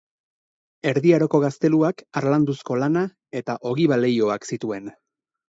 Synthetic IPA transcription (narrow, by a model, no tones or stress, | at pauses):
e̞ɾðiaɾoko̞ɣ̞ast̪e̞luakaɾland̪usko̞lana | e̞t̪aʔo̞ɣiβale̞jo̞aksit̪ue̞n